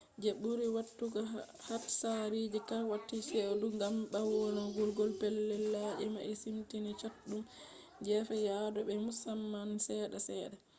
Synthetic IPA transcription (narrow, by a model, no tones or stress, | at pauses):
d͡ʒeɓuɾiwatːuɡa | hatsaɾid͡ʒikawatːiseduŋɡamɓawɔnɔɡɔlɡɔlpɛlːɛlːad͡ʒɛma̰ʔisimtinit͡ʃatɗum | d͡ʒɛfɛjadɔbɛmusamːansɛːɗasɛːɗa